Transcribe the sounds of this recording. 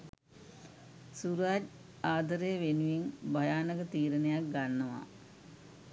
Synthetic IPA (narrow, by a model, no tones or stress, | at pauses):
suɾaːd͡ʒ | aːd̪ʱɐɾejʋenuʋinbʱɐjaːnɐɡət̪iːɾənejak̚ɡanːɐʋa̰